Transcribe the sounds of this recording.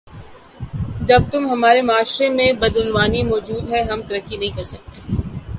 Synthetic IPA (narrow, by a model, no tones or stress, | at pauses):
d͡ʒɐb̚t̪ʊmɦɐmaːɾemaːʃɾemẽbɐd̪ʊnʋaːnimɔːd͡ʒuːd̪ɦɛɦɐmt̪ɐɾəkːinɐɦĩkɐɾsɐk̚t̪e